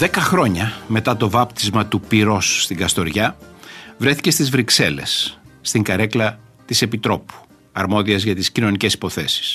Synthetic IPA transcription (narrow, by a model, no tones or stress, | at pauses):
ðe̞kɐxɾo̞ɲɐme̞t̪ɐt̪o̞vɐpt̪izmɐt̪upiɾo̞sːt̪iŋɡɐst̪o̞ɾʝɐ | vɾe̞θi̥ce̞st̪izvɾikse̞le̞̰sː | t̪iŋɡɐɾe̞klɐ | t̪isepit̪ɾo̞pu̥ | ɐɾmo̞ðiɐzʝɐt̪iscino̞nice̞si̥po̞θe̞si̥s